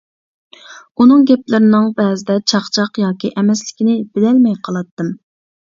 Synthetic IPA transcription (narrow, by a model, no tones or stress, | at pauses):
unɨŋɡʲɛplɪɾɪnɪŋbɛːzɪd̪ɛt͡ʃʰɑχt͡ʃʰɑqjɑːkʲiʔɛmɛslɪkʲinɪb̥ɪlɛlmɛjqʰɑlˠɑt̪ːɨm